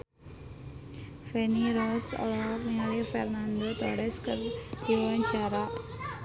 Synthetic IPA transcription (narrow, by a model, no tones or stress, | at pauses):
fɛniɾɔsɔ̰lɔrniŋalifɛrnand̪ot̪ɔɾɛskərd̪̥iwaɲt͡ʃaɾa